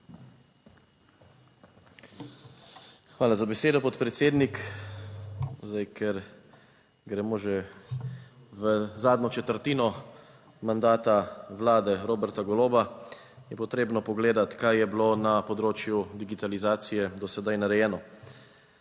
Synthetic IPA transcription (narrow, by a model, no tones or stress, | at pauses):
xʋaːlazabɛseːd̪ɔpɔt̪pɾɛt̪seːd̪nik | zd̪ajkʰɛɾ | ɡɾɛmoʒɛ | ʋəzaːd̪nɔt͡ʃɛt̪əɾt̪iːnɔ | mand̪aːt̪aʋlaːd̪ɛɾoːbɛɾt̪aɡɔloːba | jɛpɔt̪ɾeːbnɔpɔɡleːd̪at̪kajjɛblonapɔd̪ɾoːt͡ʃjud̪iɡit̪alizaːt̪sijɛd̪ɔsɛd̪ajnaɾɛjɛːnɔ